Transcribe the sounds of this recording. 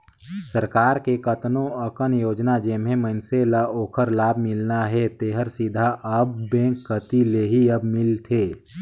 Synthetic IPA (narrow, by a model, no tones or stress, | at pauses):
səɾkaːɾkekət̪nõəkənjoːd͡ʒnad͡ʒeːmɦẽmənselaoːkʰəɾlaːbʱmɪlnaɦɛt̪eːɦəɾsid̪ʱaʔɐb̚ːẽːkːət̪ileɦiɐbmɪlt̪ʰeː